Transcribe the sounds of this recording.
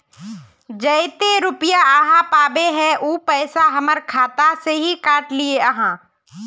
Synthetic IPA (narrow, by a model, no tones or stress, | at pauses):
d͡ʒəɪt̪eɾʊpjaəɦãpaːbeɦɛʔuːpɛːsaɦɐməɾkʰaːt̪aseɦikaːʈlieəɦãː